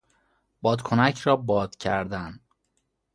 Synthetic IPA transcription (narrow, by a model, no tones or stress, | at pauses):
bɒːd̪kʰonæcʰɾɒːbɒːd̪̥cʰæ̰ɾd̪æn